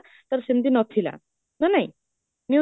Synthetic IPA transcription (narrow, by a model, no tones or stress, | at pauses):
t̪əɾɕind̪iːnɔt̪ʰila̰ | nanaɦi | nju